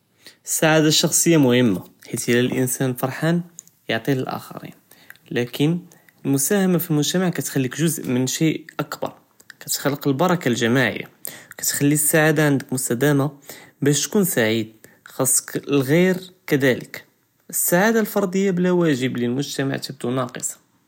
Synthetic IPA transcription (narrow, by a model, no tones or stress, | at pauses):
əsːaʕad̪aʃːɑxsˤəjːamʊhəmːaħit̪lælʔə̰nsænfɑɾˤħan | joʕt̪ˤiləlʔæ̰xɑ̰ɾḭn | lækən | əlmʊsæhæmafilmʊʒt̪æmaʕkæt̪xælːikʒʊzʔmənʃiʔʔɑkbɑ̰ɾˤ | kæt̪xalːəqəlbɑɾˤɑkalʒæmaʕə̰jːa̰kæt̪xælːisːaʕad̪aʕənd̪əkmʊst̪æd̪æmabæʃt̪kunsaʕid̪̚xɑsˤːə̥klɣiɾkæd̪ælək | ʔəsːaʕad̪alfɑɾˤd̪ˤəjːablæwæʒəbləlmʊʒt̪æma̰ʕt̪əb̚d̪unɑqəsˤɑ̥